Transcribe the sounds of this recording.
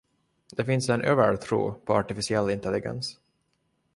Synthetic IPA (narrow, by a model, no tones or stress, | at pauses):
d̪̥ɛfɪnsɛnʔøːvəɾt̪ʰɾṵːpʰɔɑʈɪfɪsɪɛlːɪnt̪ɛlːɪɡɛ̰ns